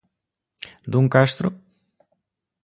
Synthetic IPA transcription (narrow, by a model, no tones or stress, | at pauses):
d̪uŋkast̪ɾu